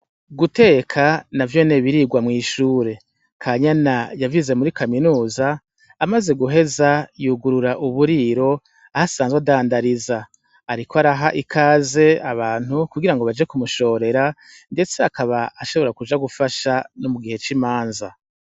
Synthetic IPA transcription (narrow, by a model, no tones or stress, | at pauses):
ɡute̞ːkʰanavjo̞ne̞βiɾiːɡwamŋiːʃuːɾe̞ | kʰaɲanajavize̞muɾikaminuːzaː | maze̞ɡuɦe̞zajuɡuɾuɾaʔuβuɾiːɾo̞ | ahasaːnzɡweadaːndaɾizaː | ɾikoaɾaɦaʔikʰaːze̞aβaːn̥hukuɡiɾaŋɡoβad͡ʒekumuʃo̞ːɾe̞ɾa | nde̞t͡seakaβaaʃo̞βoɾakud͡ʒaɡufaʃanomuɡihe̞t͡ʃimaːnza̰